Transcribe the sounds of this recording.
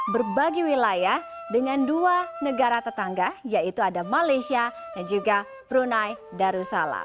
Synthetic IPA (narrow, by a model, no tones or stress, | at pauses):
bərbaɡiwilajah | dəŋanduanəɡaɾat̪ət̪aŋɡajait̪uadamalasiadand͡ʒuɡa | pəɾunaj | daɾusala̰